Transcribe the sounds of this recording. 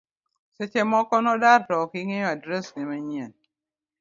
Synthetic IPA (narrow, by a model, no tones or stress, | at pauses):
set͡ʃemɔkɔnɔdaɾtɔkiŋeadɾesnemaɲien